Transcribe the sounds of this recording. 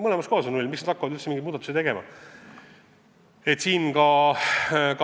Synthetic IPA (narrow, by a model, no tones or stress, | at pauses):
mɤlemɑskohɑsonulʲmiksned̪ɑkːɑvɑd̪ylt̪semiŋɡid̪muːd̪ɑt̪uset̪e̞ɡe̞mɑ̰ | e̞t̪siːnkɑ | k